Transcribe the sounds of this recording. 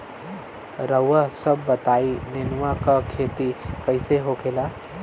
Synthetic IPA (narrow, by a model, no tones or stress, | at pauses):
ɾəʋasɐbːɐt̪aːinɪnʋakakʰeːt̪ikɐiseɦokʰelaː